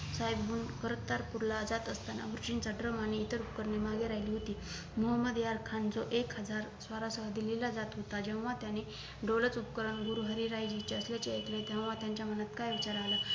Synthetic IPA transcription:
sajbbunkəɾət̪ːaɾpuɾlad͡zat̪əst̪ana̰ʋuɾt͡ɕint͡saɖɾəmañiːt̪əɾupkəɾnemaɡeɾajliːɦot̪iː | muɦəməd̪jaɾkʰand͡zoʔekɦəd͡zaɾsʋaɾasəɦad̪ililad͡zat̪ɦot̪ad͡ʑew̃ʋat̪jane | ɖolət͡supkəɾəɳɡuɾuɦəɾiɾajd͡ʑit͡ɕeəsljat͡ɕeek̪let̪jɛ̃w̃ʋat̪jaɲt͡ɕjamənat̪kajʋit͡ɕaɾala

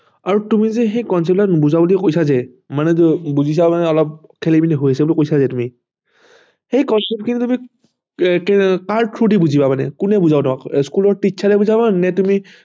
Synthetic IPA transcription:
aɹutumizɛxejkɔns̬ɛp̚tanbuzabuliɛkojsazɛ | manɛbuzis̬amanɛɔlɔp̚kʰelibinɛɦojasɛbulikojsazɛtumi | xejkɔnsɛp̚kʰinutumi | kkaɹtʰɹudibuzibamanɛ̰kunɛbuzabnɔakskulɔɹtisʰalɛbuzabanɛtumi

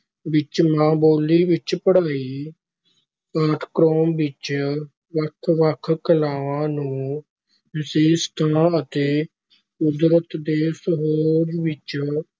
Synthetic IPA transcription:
ʋɪt͡ʃmãːboːliːʋɪt͡ʃpəɽ̤aːiː | aʈʰkɾoːmʋɪt͡ʃ | ʋəkʰʋəkʰkəlaːʋãːnũː | ʋɪseːst̪ʰãːət̪eː | ʊd̪ɾət̪d̪eːsəɦoːd͡ʒʋɪt͡ʃ

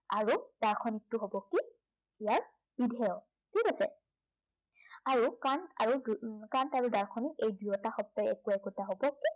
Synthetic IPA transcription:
aɹud̥aɹkʰɔnik̚tuɦobɔki | ijaɹ | b̥idʱɛjɔ | tʰikasɛ̰ | aɹukana̰ɹudkantaɹudaɹkʰɔnikejbujɔtaxɔp̚tɔjɛkuɛkɔtaɦobɔkːi

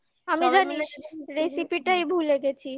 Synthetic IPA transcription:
amid͡ʑaniɾesipiʈajbʱuleɡet͡ɕʰi

